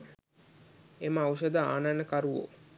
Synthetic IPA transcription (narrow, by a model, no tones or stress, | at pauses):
eməawʃəd̪əa̰ːnanəkaɾuʋo̰